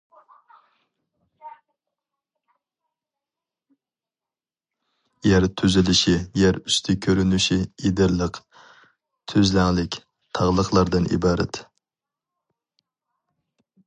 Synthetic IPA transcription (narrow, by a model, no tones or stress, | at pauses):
jæɾt̪ʰyzɪlɪʃijɛɾyst̪ʰɪkʲʰøɾynyʃiid̪ɪɾlˠəq | t̪ʰøzlæŋlɪkʲ | t̪ʰɑʁlˠəqlˠɑɾd̪ɨnʔḭbɑːɾɛ̰t̪